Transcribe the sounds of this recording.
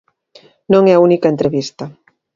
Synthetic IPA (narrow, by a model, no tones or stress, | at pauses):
nõŋɛaunikɐent̪ɾeβist̪ɐ